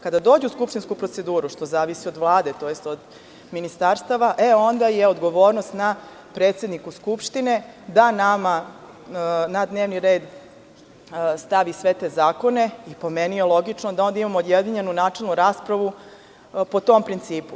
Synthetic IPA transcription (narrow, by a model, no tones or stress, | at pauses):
kad̪ad̪oːd͡ʑeuskupʂt̪inskupɾo̞t̪se̞d̪uːɾuʃt̪o̞zaːʋisio̞d̪ʋlˠaːd̪e̞t̪o̞ːjest̪o̞d̪ | minist̪aɾst̪aʋaʔeo̞nd̪ajeod̪ɡo̞ʋo̞ːɾnost̪na | pɾeːt̪sed̪nikuskupʃt̪ine̞d̪anama | nad̪neːʋniɾe̞ːd̪ | st̪aʋisʋe̞t̪eːzaːko̞ne̞ipo̞menijelˠo̞ɡit͡ʂnod̪ao̞nd̪aimamoːd̪jed̪iɲe̞nunaːt͡ʂe̞lnuɾaːspɾaʋu | po̞t̪o̞mpɾint̪siːpu